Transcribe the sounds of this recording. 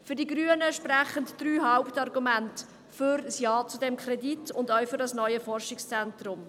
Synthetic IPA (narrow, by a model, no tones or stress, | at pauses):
fʏɾdiɡɾyːənəʃprɛχəntd̥ryːɦaʊptɑrɡumænt | fʏɾsjɑːt͡sudɛmkʰrɛditʊndœɥfʏɾdɑsnœʏəfɔrʃɪkst͡sɛntrʊm